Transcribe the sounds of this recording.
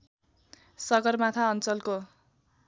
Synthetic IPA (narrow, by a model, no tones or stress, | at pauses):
sʌɡʌrmat̪ʰaʌnt͡sʌlko